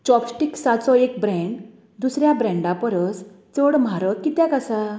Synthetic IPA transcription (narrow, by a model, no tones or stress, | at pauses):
t͡ɕɔpsʈiksat̪sɔek̚bɾɛ̃ɳɖ | d̪usɾjabɾɛ̃ɳɖapəɾəs | t͡səɽm̤ʱaɾəkːit̪jãkasa